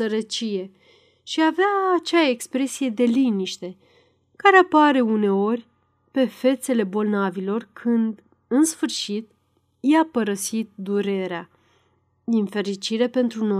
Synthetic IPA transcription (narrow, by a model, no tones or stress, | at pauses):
əɾət͡ʃije̞ | ʃiaveaːt͡ʃeaekspɾe̞sije̞d̪e̞liniʃt̪e̞ | kaɾeapaɾe̞une̞o̞rʲ | pe̞fe̞t̪se̞le̞bo̞lnavilo̞rkʰɨnd̪ | ɨnsfɨrʃit̪ | japəɾəsit̪̚d̪uɾe̞ɾea | infe̞ɾit͡ʃiɾe̞pe̞nt̪ɾuno